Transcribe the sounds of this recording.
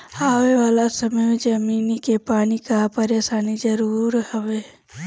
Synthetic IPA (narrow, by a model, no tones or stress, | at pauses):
aːweʋaːlasəməed͡ʒɐmiːnikepaːnikapəɾeːsaːnid͡ʒɐɾuːɾhɐʋeː